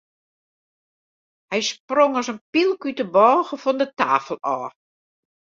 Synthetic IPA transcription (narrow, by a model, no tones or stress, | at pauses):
hɛjsproŋɔsənpilˠkytəbɔːɣəfɔndəta̰ːfəlˠɔː